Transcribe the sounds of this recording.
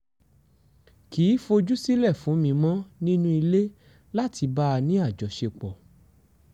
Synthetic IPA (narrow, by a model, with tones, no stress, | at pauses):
kiː˨˦fo˧d͡ʒu˦si˦lɛ˦˨fũ˨˦mĩ˧mɔ̃˦nĩ˦nũ˦i˧le˦ | la˦ti˧ba˦˧nĩ˦a˦˨d͡ʒɔ˨ʃe˧k͡pɔ˨